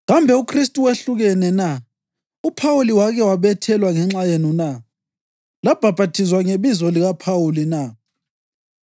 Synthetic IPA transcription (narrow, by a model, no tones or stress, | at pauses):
ɣambʱɛukʰristʼuweɬuɣɛnɛna | upʰawuliwaɣɛwaβɛtʰɛlwaŋɛŋ͡ǁajenuna | lab̥ʱab̥ʱatʰizwaŋeβizɔliɣapʰawulina